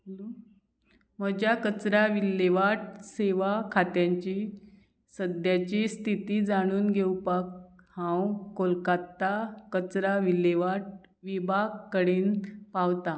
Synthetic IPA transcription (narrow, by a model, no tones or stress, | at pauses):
məd͡ʑakət͡sɾaʋilːeʋaʈ̚seʋakʰat̪jaɲt͡ɕi | səd̪jat͡ɕist̪ʰit̪iːd͡zaɽ̃uːnɡʱewpak̚ | hãwkolkat̪ːakət͡sɾaʋileʋaʈ̚ | ʋibʱaɡkəɽiːnpawt̪a